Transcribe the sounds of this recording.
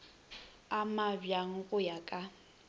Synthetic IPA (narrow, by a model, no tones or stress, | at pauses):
amabjaŋ̩ɣʊjakʼa